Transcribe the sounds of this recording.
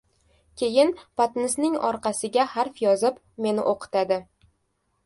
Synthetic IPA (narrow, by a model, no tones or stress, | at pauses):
kʲʰe̞jɪnpat̪nɪsnɪŋɒ̰ɾqʰɑsɪɡʲahaɾfjɒzɪp | me̞nɪ̰ʔoqʰɨ̥t̪ad̪ɪ